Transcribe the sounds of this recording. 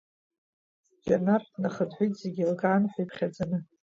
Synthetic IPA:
ɡʲarnarnaχədħʷʊjtʼzeɡʲilkʼaːnħʷajpʰχʲad͡zanɨ

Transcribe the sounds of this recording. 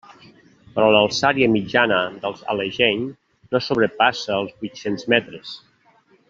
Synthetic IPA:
pɾɔləlˠsaɾiəmid͡ʒanəd̪əlˠza̰leʒɛɲ | nosoβɾəpasəːlˠzbujt̪senzmɛt̪ɾəs

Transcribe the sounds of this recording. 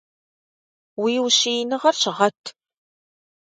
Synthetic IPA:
wiːwɕiːnɨʁɐrɕʁɐtʰː

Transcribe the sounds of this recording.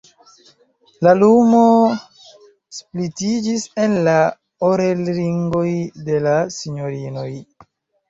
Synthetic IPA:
lalumo̞ | splitid͡ʒise̞nla | oɾelɾiŋɡo̞jde̞lasiɲo̞ɾino̞j

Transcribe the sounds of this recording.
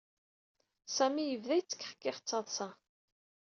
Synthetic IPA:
sæmijəvðæjt͡sːə̥kːħə̥kːɪχət͡sːɑðˤsæ

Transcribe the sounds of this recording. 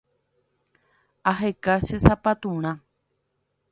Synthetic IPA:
aɦekaʃesapat̪ũɾ̃ã

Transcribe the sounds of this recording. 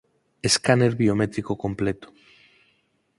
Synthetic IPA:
eskaneɾβiomet̪ɾikokomplet̪o̥

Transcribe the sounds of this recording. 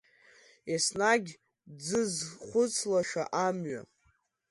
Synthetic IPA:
asnaɡʲ | d͡zɨzχʷʊt͡sʰlaʃᶣaʔamɥa̰

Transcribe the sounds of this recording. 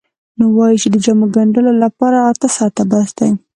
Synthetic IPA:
nowɑjit͡ʃed̪əd͡ʒamoɡaɳɖəlolapɑɾaːɾt̪asɑɾt̪abasd̪aj

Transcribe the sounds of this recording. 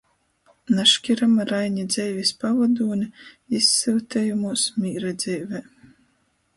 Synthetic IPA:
naʃkʲiɾamaɾajɲid̪zɛjvʲispavad̪uːnʲi | isːilt̪ʲɛːjumuɔsmʲiːɾad̪z̥ʲɛːvɛː

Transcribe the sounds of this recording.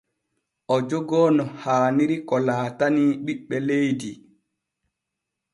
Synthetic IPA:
ʔɔd͡ʒɔɡɔːnɔhaːniɾikɔlaːtaniɓiɓːɛlejdi

